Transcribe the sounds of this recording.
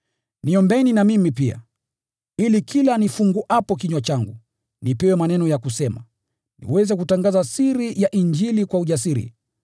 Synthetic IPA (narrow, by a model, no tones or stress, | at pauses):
niɔmbɛninamimipia̰ | ilikʰilanifuŋɡuʔapɔkiɲwat͡ʃaŋɡu | nipɛwɛmanɛnɔjakusɛma̰ | nḭwɛzɛkutaŋɡazasiɾijaʔiɲd͡ʒilikwauʄas̬iɾḭ